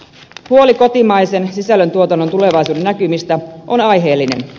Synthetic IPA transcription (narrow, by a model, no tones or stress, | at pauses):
huo̞liko̞t̪imɑjse̞nsisælːˑønt̪uot̪ɑnːot̪ule̞ʋɑjsuːdenːækymist̪æʔo̞nɑjɦe̞ːlːine̞̰n